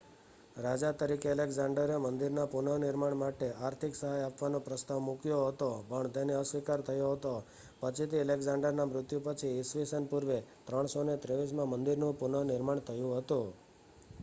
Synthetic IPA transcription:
ɾad͡ʒat̪əɾikeəlekzaɳɖəɾemənd̪iɾnapunənɪɾmaɳmaʈeaɾt̪ʰiksəɦajapʋanopɾəst̪aʋmukjoɦət̪opəɳt̪eneəsʋikaɾt̪ʰəjoɦət̪o | pət͡ʃʰit̪ʰiəlekzãɳɖəɾnamɾʊt̪jupət͡ʃʰiːsʋisənpuɾʋet̪ɾəɳ̃sonet̪ɾeʋis̬mãmənd̪iɾnũpunənɪɾmaɳ̃t̪ʰəjũɦət̪ũ

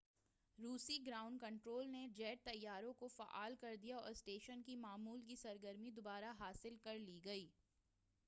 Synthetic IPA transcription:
ɾuːsiɡɾaːʊ̃ɳɖkɐ̃ɳʈɾoːlned͡ʒɛːʈ̚t̪ɐjːaːɾõkofa̰ʔa̰ːlkɐɾd̪ijaɔ̰ːɾsʈeːʃənkimaːmuːlk̬isɐɾɡəɾmid̪obaːɾaɦaːsɪlkɐɾliɡɐiː

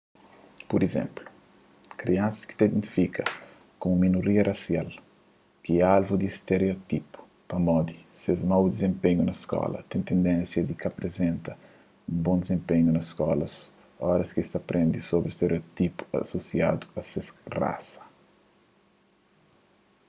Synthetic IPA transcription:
puɾizḛ̃mplu̥ | kɾiãnsɐski̥t̪aid̪ẽnt̪i̥fikʰɐ | komuminoɾiɐrasjal | kiɛalvud̪iːst̪eɾeot̪ipu̥ | pɐmɔd̪isezmawd̪izẽmpeɲunɐskɔ̰lɐ̰t̪ẽñt̪ẽnd̪ɛ̃nsjɐd̪ikɐpɾezẽnt̪ɐ | ũmbõnd̪ezẽmpeɲunɐsskɔlɐs | ɔɾɐskist̪ɐpɾʔẽnd̪isobɾist̪eɾeot̪ipu̥ɐ̰sosia̰d̪u̥ɐsesra̰sɐ̥

